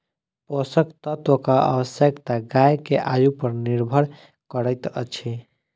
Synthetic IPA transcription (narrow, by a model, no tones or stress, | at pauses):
posəkt̪ət̪okaʔə̰ʋəsjəkt̪aɡajkeʔajupəɾniɾbʱəɽ | kəɾəɪt̪ə̰t͡ʃʰi